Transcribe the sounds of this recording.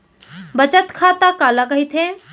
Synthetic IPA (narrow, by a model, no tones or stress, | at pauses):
bət͡ʃət̪kʰatk̪akalakəɦit̪ʰẽ